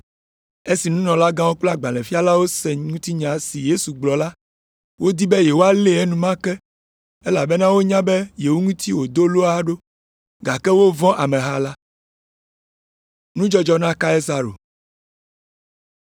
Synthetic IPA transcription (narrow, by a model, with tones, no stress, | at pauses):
e˦si˨nũ˦nɔ̃˨la˦ɡã˦wo˦k͡plɔ˦a˨ɡ͡ba˨lɛ̃˨fi˦a˦la˦wo˦sɛ˨ŋũ˦t̪i˦ɲã˨si˨je˦su˨ɡ͡blɔ˨la˦ | wo˦d̪i˦bɛ˦je˨wo˦a˨le˦ɛ˦nũ˨mã˦kɛ˦ | e˦la˨bɛ˦nã˦wo˦ɲã˦bɛ˦je˨wo˦ŋũ˦t̪i˦wo˨d̪o˦lo˦a˦ɖo˦ | ɡa˨kɛ˦wo˦vɔ̃˦ʔa˨mɛ̃˨ɦa˦la˦ | nũ˦d͡ʒɔ˦d͡ʒɔ˦nã˦ka˦e˦za˨ɾo̰˨